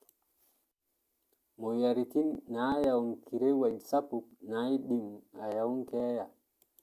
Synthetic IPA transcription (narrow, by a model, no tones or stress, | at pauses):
mɔjaɾikinːajawnkiɾɛwad͡ʒsapuk̚najɗimajawŋkɛːja